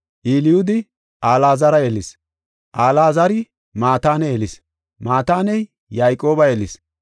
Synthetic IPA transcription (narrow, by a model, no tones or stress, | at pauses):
ʔiːlɪjʊd̪ɪ | ʔaːlaːzɐɾɐjeːlɪs | ʔaːlaːzɐɾɪ | maːt̪aːnɛelɪs | maːt̪aːnɛj | jaːjkʼːo̞ːbɐjeːlɪs